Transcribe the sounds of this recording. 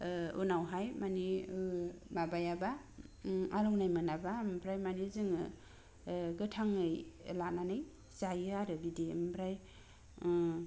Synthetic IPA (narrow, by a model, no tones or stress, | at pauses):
ṵnawɦajmani | mabajaba | aɾɔwnajmɯnabampʰɾajmanizɯŋɯ | ɡɯtʰaŋɯjlananɯj | sajɯaɾɯbidimpɾaj